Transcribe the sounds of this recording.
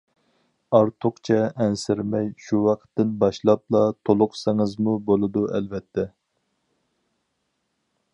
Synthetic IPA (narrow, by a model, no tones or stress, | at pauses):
ɑɾt̪ʰʊqt͡ʃʰɛʔɛnsɪɾmɛjʃuwɑqt̪ːɪnbɑʃlˠɑp̚lˠɑt̪ʰolˠʊqsɪŋɨzmubolˠɨd̪uɛ̰lvɛt̪ʰːɛ